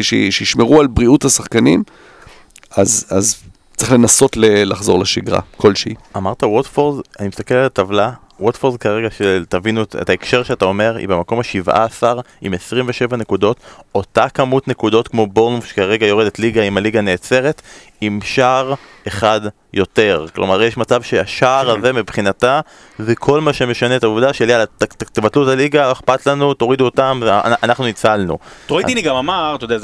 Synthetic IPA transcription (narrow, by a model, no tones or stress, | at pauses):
ʃeʃeiʃmeʁualbʁiuthasaχkanim | azaz | t͡sʁiχle̞naso̞tlelaχzo̞ʁlaʃiɡʁa̰ko̞lʃeiamaʁt̪awotfoʁzanimist̪akelalatavla | wotfoʁzkaʁeɡaʃetavinutḛtaekʃe̞ʁʃeatao̞me̞ʁḭbemako̞maʃivʔa̰ːsaʁḭmesʁimveʃe̞vane̞kudo̞to̞takamutne̞kudo̞t̪kmo̞bo̞ʁnofʃe̥kaʁe̞ɡajo̞ʁedetliɡaimaliɡane̞ːt͡se̞ʁe̞t | imʃaːʁ | eχad | jo̞te̞ʁklʔo̞̰maʁjeʃmat͡savʃeaʃaːʁaze̞mipχinata | zekʰo̞lmaʃe̞me̞ʃanetauvdaʃelialatat̪evatluetaliɡaeχpat̪lanuto̞ʁiduotamvea̰a̰naχnuit͡salnṵʁoitiniɡamamaʁt̪odea